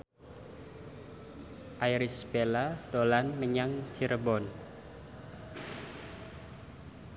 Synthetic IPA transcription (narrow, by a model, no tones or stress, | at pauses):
ʔajɾisbelad̥olanməɲaŋt͡ʃiɾəbɔn